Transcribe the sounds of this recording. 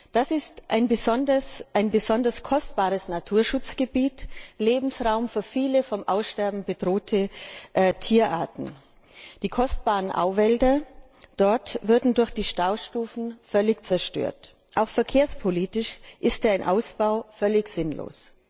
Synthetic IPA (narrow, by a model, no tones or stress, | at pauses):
d̥asɪstʔaɪnbəzɔndɐsʔaɪnbəzɔndɐskʰɔstb̥aːʁəsnatʰuːɐʃʊt͡sɡ̥əbiːtleːbm̩sʁaʊmfyːɐfiːləfɔmʔaʊsʃtɛɐbm̩bədʁoːtʰəʔtʰiːɐʔa̰ːɐtn̩ | d̥iːkʰɔstb̥aːʁənʔa̰ʊvɛldɐ | d̥ɔɐtvʊɐdn̩dʊɐçd̥iːʃtaʊʃtuːfn̩fœlɪçt͡sɛɐʃtø̰ːɐt | ʔaʊxfɛɐkʰeːɐspʰoliːtɪʃʔɪstːɪnʔaʊsb̥aʊfœlɪçz̥ɪnlo̰ːs